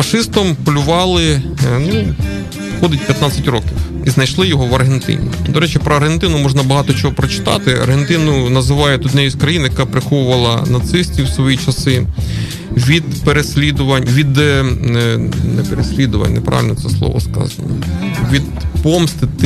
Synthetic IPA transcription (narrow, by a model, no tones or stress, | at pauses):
fɐʃɪst̪ɔmpɔlʲʊʋɑlˠɪnu | xɔd̪ɪtʲpʲjɐt̪nɑt͡sʲːɐtʲɾɔkʲiw | iznɐjʃlˠɪjɔɦɔʋɐrɦent̪ɪ̰nʲḭd̪ɔɾɛt͡ʃɪpɾɔɐrɦent̪ɪnʊmɔʒnɐbɐɦɑt̪ɔt͡ʃɔɦɔpɾɔt͡ʃɪ̥t̪ɑ̰t̪ɪɐ̰rɦent̪ɪnʊnɐzɪʋɑjɛt̪ʊd̪nɛjisʲkɾɐjinɐjɐkɑpɾɪxɔʋʊʋɐlˠɐnɐt̪sɪsʲtʲiwsʋɔjit͡ʃɐsɪ | ʋʲid̪peɾesʲlʲid̪ʊʋɐnʲʋʲid̪ | nɛpeɾesʲlʲid̪ʊʋɐ̰nʲnɛpɾɑ̰ʋɪ̰lʲnt̪sɛslˠɔ̰ʋɔ̰skɑ̰zɐnɔ̰ʋʲid̪pɔmst̪ɪ